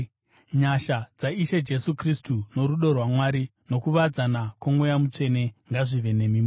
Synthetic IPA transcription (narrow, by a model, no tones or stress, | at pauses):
ɲaʃad͡zaiʃed͡ʒe̞sukristuno̞ɾuɗo̞rwamwaɾino̞kuʋad͡zanakwomwejamut͡ʂe̞ne̞ŋɡaʐiʋe̞ne̞mimo